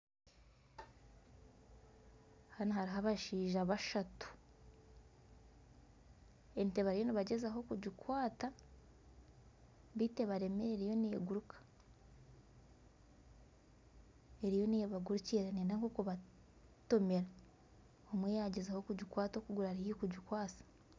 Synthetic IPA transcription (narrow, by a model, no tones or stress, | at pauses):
hanahaɾiɦaβaʃiːʒaβaʃatu̥ | ente̞βaɾijo̞niβaɟe̞zaɦo̞kuɟikwaːta | βite̞βaɾe̞meeɾijo̞neːɡuɾukʰḁ | e̞ɾijo̞nieβaɡuɾuciɾaneːndaŋkokuβa | to̞me̞ɾa | omweːjaɟezaho̞kuɟikwaːtoːkuɡuɾaaɾihikuɟukwaːsḁ